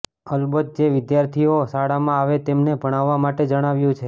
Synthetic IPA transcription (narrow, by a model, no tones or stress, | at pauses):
əlbəd̪̚d͡ʒeʋɪd̪jaɾt̪ʰiosaɽamãaʋet̪emnebʱəɽ̃aʋːamaʈed͡ʒəɽ̃aʋjũt͡ʃʰe